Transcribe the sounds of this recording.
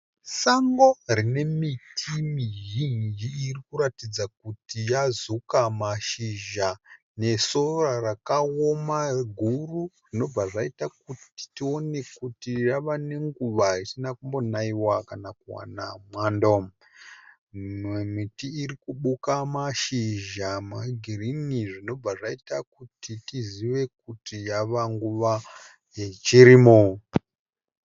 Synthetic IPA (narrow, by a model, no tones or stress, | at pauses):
saŋɡo̞rine̞mitʰimiɦind͡ʒiːrikuɾatid͡zak̚utijazukamaʃiʒa | ne̞so̞rarakaomaɡʱururino̞b͡vaʐaitak̚uti̥tio̞ne̞kutijaʋane̞ŋɡuʋaisinakumbo̞naiwakanakuwa̰namwandom | memitiːrikuɓukamaʃiʒamaɡʱiriniʐino̞b͡vaʐaitakutitiziʋe̞kutijaʋaŋɡuʋa | je̞t͡ʃiɾimo